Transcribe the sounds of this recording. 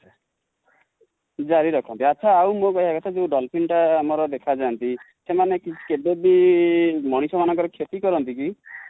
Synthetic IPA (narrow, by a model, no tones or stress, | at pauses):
d͡ʒaɾiɾɔkʰɔnt̪iaːt͡ʃʰaawmokɔɦiaɡɔt̪ʰad͡ʒeũɖɔlpʰinʈaːmɔɾɔd̪ekʰad͡ʒant̪i | semanekit͡ʃʰi̥kebebi | mɔɽ̃isɔmanɔŋkɔɾɔkʰet̪ikɔɾɔnt̪iki